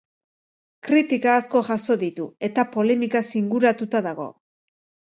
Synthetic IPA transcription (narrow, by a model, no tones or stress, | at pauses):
kɾit̪ikaːsko̞ʝaso̞ðit̪ue̞t̪apo̞le̞mikasiŋɡuɾat̪ut̪aðaɣ̞o̞̰